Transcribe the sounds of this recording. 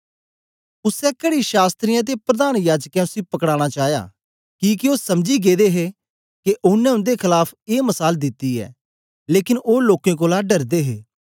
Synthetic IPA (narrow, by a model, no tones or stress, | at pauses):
ʊsɛːkəɽiʃaːst̪ɾɪjãːt̪̬epɾəd̪aːnjaːd͡ʒkɛ̃ːʊsipɐkɽaːɽ̃aːt͡ʃaːja̰ː | kiːkɪoːsɐmd͡ʒiːɡeːd̪eːɦeː | keʔʊnɛ̃ːʊ̃nd̪eːkʰɪlaːpʰeːməsaːld̪ɪt̪ːiːɛ̰ː | leːkɪnoːloːkẽːk̬oːlaːɖəɾd̪eːɦeː